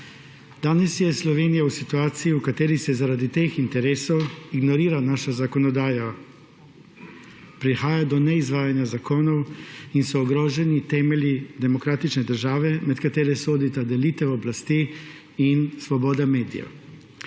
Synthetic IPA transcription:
d̪̥aːnɛsjɛslɔʋeːnijausit̪uaːt̪siiukat̪eːɾisɛzaɾaːd̪it̪eːxint̪ɛɾeːsɔwiɡnɔɾiːɾanaːʃazakɔnɔd̪aːja | pɾixaːjad̪ɔnɛizʋaːjanjazakoːnɔwinsɔːɡɾoːʒɛnit̪ɛːmɛljid̪ɛmɔkɾaːt̪it͡ʃnɛd̪əɾʒaːʋɛmɛt̪kat̪eːɾɛsoːd̪it̪ad̪ɛliːt̪ɛɔblast̪i | insʋɔbɔːd̪ameːd̪ḭja̰

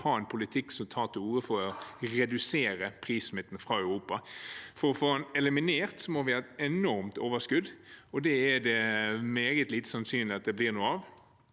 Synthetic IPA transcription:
hɑːɛnpʰʊlɪt̪ʰɪkːsɔmt̪ʰɑːt̪ʰɪuːəfɔɾɔɾɛd̪ʉseːɾəpʰʁiːsmɪt̪ːənfʁɑːœʉɾuːpɑfɔɾɔfoːɑnɛlɪmɪneːʁt̪sɔmɔɾʋɪæɾɛnɔɾmt̪oːʋəskʉd̪ɔd̪ɛæd̪ɛmeːɡət̪liːt̪ə̥sɑnsyːnlɪɑt̪̚d̪ɛbliːʁnuːəɑʋ

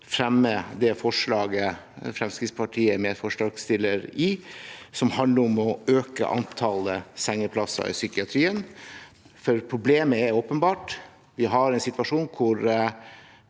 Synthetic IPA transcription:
fɾɛmːəd̪ɛfɔʂlɑːɡəfɾɛmskɾɪt̪spʰɑʈʰiːəmɛfɔʂlɑːɡst̪ɪlːəɾɪsɔmhɑnd̪ləɾɔmɔøːkə̰ʔɑ̰nt̪ʰɑːləsɛŋːəpʰlɑsə̰ɾɪ̰sʏkɪɑt̪ʰɾiːən | fɔɾpʰɾʊbleːməæɾoːpənbɑːʈ | ʋɪɦɑɾɛnsɪt̪ʋɑʂuːnkʰʊɾ

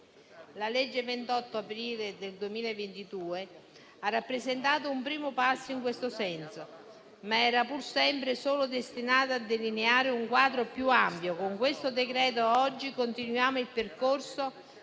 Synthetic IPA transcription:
laled͡ʒːevent̪ɔt̪ːoapɾiːled̪eld̪uemiːlaevent̪id̪uːe | arːapːɾezent̪aːt̪̬oumpɾiːmopasːiŋkwest̪osɛnso | maɛːɾapursɛmpɾesoːlod̪est̪inaːt̪aːd̪ːelineaːɾɪuŋkwaːd̪ɾopjuampjokoŋkwest̪od̪ekɾɛːt̪̬oɔd͡ʒːikont̪inwjaːmoilperkorso

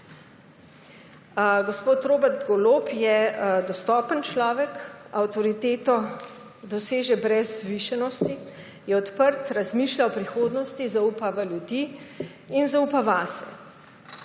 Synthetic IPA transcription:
ɡospoːt̪ɾoːbɛɾt̪ɡɔloːpjɛd̪ɔst̪ɔːpənt͡ʃlɔːʋɛkawt̪ɔɾit̪eːt̪ɔ | d̪ɔseːʒɛbɾɛzːʋiʃɛnɔst̪i | jɛɔt̪pəɾt̪ɾazmiːʃlaɔpɾixoːd̪nɔst̪izauːpaʋaljud̪iː | nzaupaʋaːsɛ̰

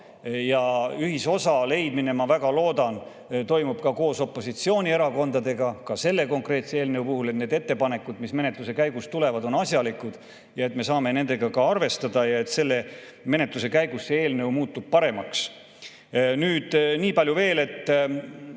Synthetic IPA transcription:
jɑyɦiso̞sɑle̞jd̪mine̞mɑvæɡɑlo̞ːd̪ɑn | t̪o̞jmub̥kɑko̞ːso̞pːˑo̞sit̪sio̞ːnʲie̞ɾɑko̞nd̪̥ɑd̪e̞ɡɑkɑse̞lːe̞ko̞ŋkre̞ːt̪seeːlneupuɦulet̪ne̞ːd̪e̞t̪ːe̞pɑne̞kːud̪̥misme̞net̪luse̞kæjɡust̪ulevɑd̪o̞nɑsʲjɑlikud̪̥ | jɑe̞t̪me̞sɑːme̞ne̞nd̪e̞ɡ̥ɑkɑɑrve̞st̪ɑd̪̥ɑjɑe̞t̪se̞lːe̞me̞ne̞t̪luse̞kæjɡ̥usːee̞ːlne̞wmuːt̪ːˑub̥̚pɑɾe̞mɑks | nyːd̪̥niːpɑlʲjuve̞ːle̞t̪ː

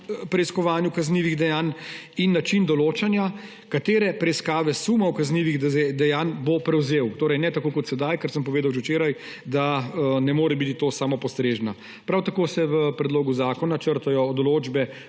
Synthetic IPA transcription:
pɾɛiskɔʋaːnjukazniːʋiɣd̪ɛjaːn | inːat͡ʃind̪ɔloːt͡ʃanja | kat̪eːɾɛpɾɛiskaːʋɛsumɔwkazniːʋiɣd̪ɛjaːnbopɾɛwzeːwt̪oːɾɛjnɛt̪akoːkɔt̪sɛd̪ajkəɾsəmpɔʋeːd̪awʒɛwt͡ʃeːɾaj | d̪anɛmoːɾɛbit̪it̪oːsaːmɔpɔst̪ɾeːʒna | pɾawt̪akoːsɛʋəpɾɛd̪loːɡuzaːkɔnat͡ʃəɾt̪ajɔːd̪ɔloːd͡ʒbɛ

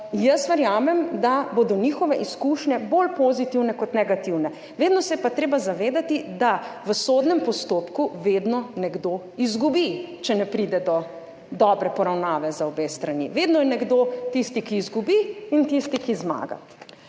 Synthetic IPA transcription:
jəsʋɛɾjaːmɛmd̪abod̪ɔnixɔʋɛʔiskuʃɲɛbolpozit̪iwnɛkɔt̪nɛɡat̪iwnɛ | ʋeːd̪nɔsɛjɛpat̪ɾeːbazaʋeːd̪at̪id̪aʋəsoːd̪nɛmpɔst̪oːpkuʋeːd̪nɔnɛɡd̪o | izɡubit͡ʃɛnɛpɾid̪ɛd̪ɔ | d̪ɔːbɾɛpɔɾawnaːʋɛzaɔbeːst̪ɾanḭʋeːd̪nɔjɛnɛɡd̪ot̪ist̪ikiːzɡubiːnt̪ist̪ikizma̰ːɡa̰

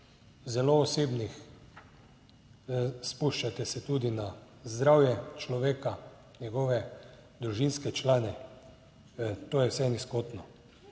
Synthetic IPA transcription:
zɛloːseːbnix | spuʃt͡ʃat̪ɛsɛt̪ud̪ina | zd̪ɾawjɛt͡ʃlɔʋeːka | ɲɛɡɔʋɛd̪ɾuʒinskɛt͡ʃlaːnɛ | t̪oːjɛwsɛniskot̪nɔ

